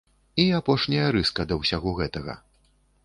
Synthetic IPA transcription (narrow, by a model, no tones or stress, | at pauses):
iapɔʂnʲɐjɐɾɨskɐd̪ɐwsʲaɣɔɣɛt̪ɐɣɐ̰